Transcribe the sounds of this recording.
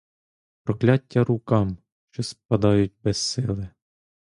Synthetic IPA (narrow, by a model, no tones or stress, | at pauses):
pɾɔklʲɑtʲːɐɾukɑm | ʃt͡ʃɔsp̚ɐd̪ɑjʊt̚ʲbɛsːɪlˠɪ